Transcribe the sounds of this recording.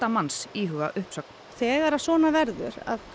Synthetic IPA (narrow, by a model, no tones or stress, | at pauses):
t̪amansiːɦʏɣa̰ʔʏhpsœk̚n | θɛːɣaɾasvɔːnavɛɾðʏ̰ɾa̰ð